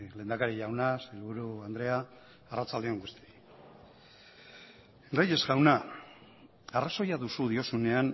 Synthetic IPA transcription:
le̞ːnd̪akaɾiʎawnaselβuɾuand̪ɾe̞aː | rat͡sald̪eo̞ŋɡust̪i | raje̞zɡawna | araso̞jaðusuðio̞sune̞an

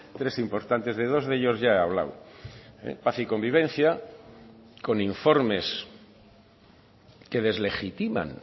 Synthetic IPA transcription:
t̪ɾesimpo̞ɾt̪ant̪e̞zðe̞ð̞o̞zðe̞ʎo̞zʝaeaβ̞la̰w | ḛpaθiko̞mbiβ̞ẽ̞n̟θja | ko̞niɱfo̞ɾme̞s | ke̞ð̞e̞zle̞xit̪imã̰n

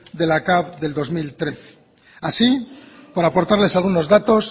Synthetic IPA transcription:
d̪e̞lakaβðe̞ld̪o̞zmilt̪ɾe̞θe̥ | asipoɾapo̞ɾt̪aɾle̞salɣ̞uno̞zðat̪o̞s

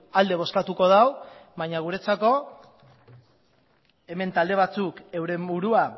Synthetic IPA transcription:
ald̪e̞βo̞skat̪uko̞ð̞awβaɲaɣuɾe̞t͡sako̞ | e̞me̞nt̪ald̪e̞βat͡suke̞wɾe̞mbuɾua

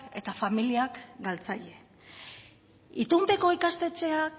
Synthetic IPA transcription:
e̞t̪afamiliakɡalt͡saʎe̞ | it̪umpe̞ko̞ikast̪e̞t͡ʃe̞ak

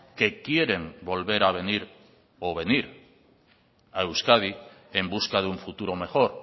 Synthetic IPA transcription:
ke̞kje̞ɾe̞mbo̞lβe̞ɾaβ̞e̞niɾ | oβ̞e̞niɾ | aewskað̞i | e̞mbuskað̞euɱfut̪uɾo̞me̞xo̞ɾ

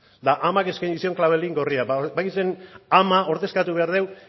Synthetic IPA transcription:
d̪aʔamake̞skajɲisio̞ŋklaβ̞e̞liŋɡo̞riabajkisenamao̞ɾt̪e̞skat̪uβe̞aɾðe̞w

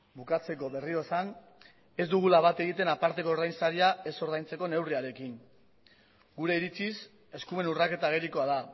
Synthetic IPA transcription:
bukat͡se̞ko̞βe̞rio̞san | e̞zd̪uɣ̞ulaβat̪e̞ɣ̞it̪e̞napaɾt̪e̞ko̞ːɾðajnsaɾiae̞so̞ɾð̞ajnt͡se̞ko̞ne̞wriaɾe̞kiŋ | ɡuɾe̞iɾit͡sis | e̞skume̞nurake̞t̪aɣeɾiko̞aða

